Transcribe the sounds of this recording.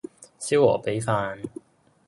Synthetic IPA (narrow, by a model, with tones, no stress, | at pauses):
si˥wɔː˨˩pe˨˥jfaː˧n